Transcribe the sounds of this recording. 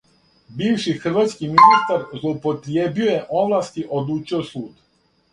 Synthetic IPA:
biːʋʃixr̩ʋat̪skiminist̪aɾzloupot̪ɾjebiojeʔoʋlˠast̪iʔod̪luːt͡ʃiosuːd̪

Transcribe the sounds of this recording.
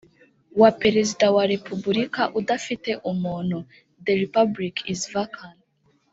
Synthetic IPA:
wape̞ɾezidawaɾe̞pubuɾikaʔudafite̞ʔumuːno | ðeɾipablikizvakʰan

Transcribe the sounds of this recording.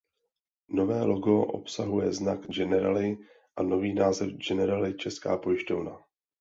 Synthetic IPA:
no̞vɛːlo̞ɡo̞ʔo̞̰psaɦujɛ̰znakd͡ʒɛnɛɾa̰lɪ | ʔano̞viːnaːzɛfd͡ʒɛnɛɾalɪt͡ʃɛska̰ːpo̞jɪʃtovna

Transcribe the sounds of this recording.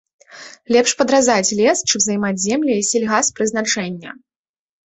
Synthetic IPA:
lʲɛpʂpɐd̪ɾazat͡sʲlʲɛst͡ʂɨmzɐjmad͡zʲzʲɛmlʲɛisʲɛlʲɣaspɾɨzn̪at͡ʂɛnʲːɐ̰

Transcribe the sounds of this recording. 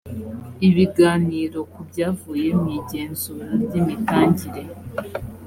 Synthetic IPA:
iβiɡaːniːɾo̞kubɟaːvuːje̞mɲiɟe̞ːnzuːɾabɟimitaːɲɟiɾe̞

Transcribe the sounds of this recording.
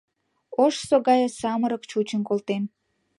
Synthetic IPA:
oʃsoɣɑjesɑməɾəkt͡ɕut͡ɕənkolt̪en

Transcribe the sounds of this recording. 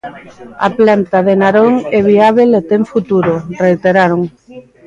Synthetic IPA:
a̰plant̪aðenaɾoŋɛβiaβelet̪eɱfut̪uɾʊrejt̪eɾaɾoŋ

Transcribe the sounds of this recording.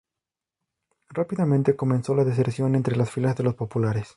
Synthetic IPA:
rapiðamẽnt̪e̞ko̞mẽ̞nso̞laðes̬eɾsjo̞ne̞nt̪ɾe̞lasfilazðe̞lo̞spo̞pulaɾe̞s

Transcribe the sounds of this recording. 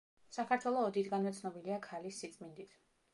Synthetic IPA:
sakʰaɾt̪ʰwɛlˠɔːd̪it̪ʰɡanvɛt̪sʰnɔbiliakʰalisːit̪sʼmind̪it̪ʰ

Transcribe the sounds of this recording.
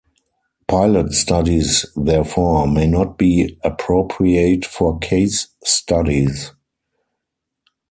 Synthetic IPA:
pʰaɪlətstadisðɛfɔmeɪnɔt̚b̥iːəpʰɹoʊpʰɹieɪtfɔkʰeɪsːtadiz

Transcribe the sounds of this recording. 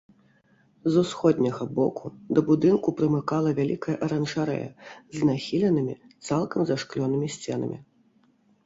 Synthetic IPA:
zusxɔd̪ʲnʲɐɣɐbɔ̰kʰud̪ɐbud̪ɨnkupɾɨmɨkalˠɐvʲalʲikɐjɐʔɐɾɐnʐaɾɛ̰jɐ̰znaxʲilʲɛnɨmʲḭ | t̪salˠkɐmzaʂklʲɔnɨmʲisʲt͡sʲɛ̰nɐ̰mʲḭ

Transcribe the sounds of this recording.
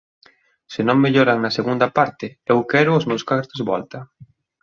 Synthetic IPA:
sɪnõŋmeʎoɾaŋnɐseɣund̪ɐpaɾt̪ɪewkɛɾʊːzmewskat̪ezβɔ̰lt̪ɐ

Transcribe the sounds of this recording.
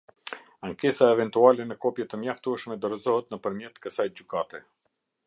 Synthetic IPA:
aŋkɛsaɛvɛnt̪ualɛnəkɔpjɛt̪əmjaft̪uɛʃmɛd̪ɔɾɛzɔɦət̪nəpəɾmjɛt̪kəsajd͡ʑykat̪ɛ

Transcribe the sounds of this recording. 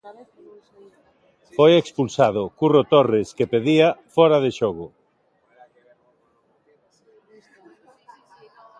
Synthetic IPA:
fojekspulsað̞ʊkurot̪oreskepeðiafɔɾaðeʃoɣʊ

